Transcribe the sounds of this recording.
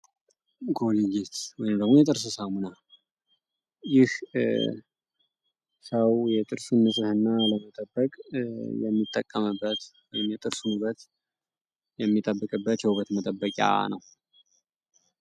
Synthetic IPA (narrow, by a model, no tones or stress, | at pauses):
ɡo̞liɡet̪wɔjɪmd̪əɡmojɛt̪ʼɨɾsɨsamuna | jɪh | səwjɛt̪ʼɨɾsunːɨsʼɨhɨnːaləmət̪ʼəbːəkʼjɛ̰mːit̪ʼːəkʼːəmɨbːət̪wɔjɪmjɛt̪ʼɨɾsunubət̪ | jɛmːit̪ʼəbːɨkʼɨbːət̪jɛhuβət̪mət̪ʼəbːəkʼa̰nəw